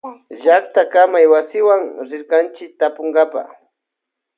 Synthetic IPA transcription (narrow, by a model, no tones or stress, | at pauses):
ʒakt̪akamajwasɪwaŋɾɪɾkant͡ʃɪk̚t̪apoŋɡapa̰χ